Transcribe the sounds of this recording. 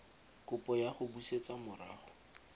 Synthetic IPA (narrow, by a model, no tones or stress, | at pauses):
kʊpɔjaχʊbuset͡sʼamʊra̰ːχʊ̥